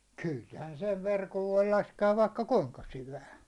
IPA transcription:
khylhæn seʋ ʋerkoʋ ʋoi lɑskeɑʋ ʋɑikːɑ kuŋkɑ syʋæː

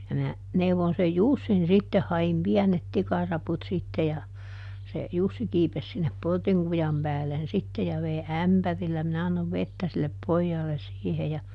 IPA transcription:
jɑ mæ neuʋon sej jusːin sitːeh hɑim piænet tikɑrɑput sitːe jɑ se jusːi kiːpes sinːep portiŋ kujɑm pæːlːen sitːe jɑ ʋei æmpærilːæ minæ ɑnːoʋ ʋetːæ silːep pojːɑːlːes siːhe jɑ

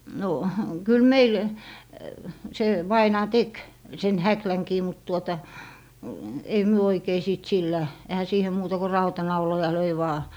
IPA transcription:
no kyl meil se ʋɑinɑː tek sen hæklæŋkiː mut tuotɑ ei myø oikei siˑt silːæ ehæ siːhe muːtɑ ko rɑutɑnɑulojɑ løi ʋɑː

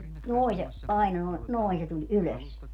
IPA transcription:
se noˑi se ɑinɑ noi̯ noi se tulʲ yløs

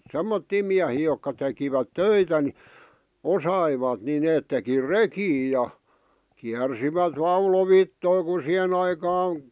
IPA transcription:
semːotːiː miæhiː jokːɑ tekiʋæt tøitæ ni osɑiʋɑt ni neːt teki rekiː jɑ kiærsiʋæt ʋɑuloʋitːoi ku sih̆en ɑikɑːn

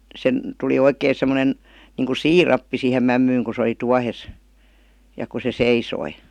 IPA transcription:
sen tuli oikeˑĭ semːonen niːŋku siːrɑpːi siˑhem mæmːyːŋ ku sĕ oli tuɑhes jɑ ku se seisoi

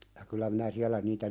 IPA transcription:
jɑ kylæ minæ siælæ niːtæ

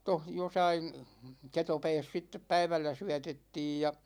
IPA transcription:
toh josɑin ketopɛːs sitːep pæiʋælːæ syætetːiːj jɑ

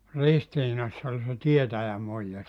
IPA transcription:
ristiːnɑsː ol se tietæjæmuijːɑ

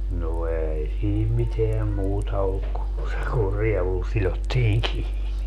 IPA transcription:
no ei siːm miteæm muːtɑ olːuk ku se kur rieʋul silotːiːŋ kiːni

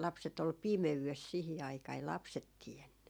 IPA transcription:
lɑpset ol pimeyʋes sihi ɑikɑː ei lɑpset tienːy

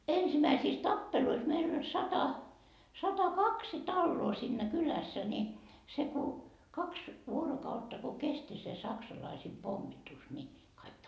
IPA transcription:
ensimæisiːs tɑpːeluis meil olʲ sɑtɑ sɑtɑkɑksi tɑlːoː siːnːæ kylæsːæ ni se ku kɑks ʋuorokɑutːɑ ko kesti se sɑksɑlɑisiːm pomːitus ni kɑik

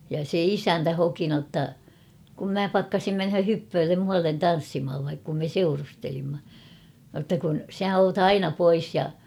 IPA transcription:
jɑ se isæntæ hoki notːɑ kum mæ pɑkːɑsim menhø hypːøːlːem muɑlːen tɑn̞sːimhɑʋ ʋɑik kum me seurustelimːɑ notːɑ kun sæ oːt ɑinɑ pois jɑ

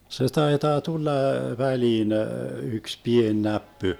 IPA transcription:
se tɑitɑː tulːɑ ʋæliːn yks pien næpːy

